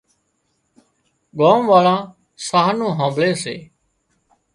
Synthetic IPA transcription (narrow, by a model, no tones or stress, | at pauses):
ɠaːmʋaːɭãː | saːɦnõːɦãːmbleːsḛː